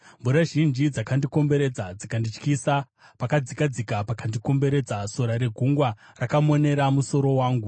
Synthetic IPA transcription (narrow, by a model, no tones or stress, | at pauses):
mbuɾaʒind͡ʒid͡zakandiko̞mbe̞ɾe̞d͡zad͡zikandit͡ʃkisa | pakad͡zikad͡zikapakandiko̞mbe̞ɾe̞d͡zaso̞ɾaɾe̞ɡʱuŋɡwa | rakamo̞ne̞ɾamuso̞ɾo̞waːŋɡu